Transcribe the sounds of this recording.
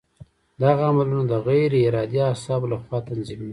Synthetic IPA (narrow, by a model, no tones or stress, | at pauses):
d̪aɣaːmalunad̪əɣajɾɪɾɑd̪easɑblaxwɑt̪anzimna